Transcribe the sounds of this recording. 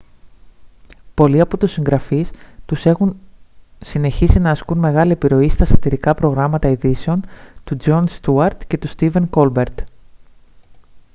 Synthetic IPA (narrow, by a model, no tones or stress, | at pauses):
po̞liɐpo̞t̪usːiŋɡɾɐfist̪use̞xun | sine̞çisinɐːskunme̞ɣɐlie̞piɾo̞ist̪ɐsɐt̪iɾikɐpɾo̞ɣɾɐmɐt̪ɐiðise̞o̞nt̪ud͡ʒo̞nst̪uɐɾt̪ce̞t̪ust̪ive̞ŋko̞lbe̞ɾt̪